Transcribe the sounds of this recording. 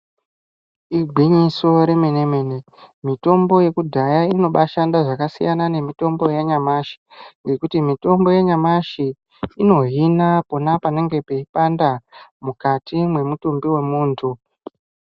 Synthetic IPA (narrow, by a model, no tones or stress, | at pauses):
iɡʱiɲiso̞ɾe̞meneme̞ne | mito̞mbo̞je̞kudʱajaino̞ɓaʃandaʐakasḭjanane̞mito̞mbo̞jaɲamaʃi̥ŋɡe̞kutimito̞mbo̞jeɲamaʃi | ino̞ɦinapo̞napane̞ŋɡe̞pe̞ipandamukatimwe̞mutumbiwe̞muːntʰu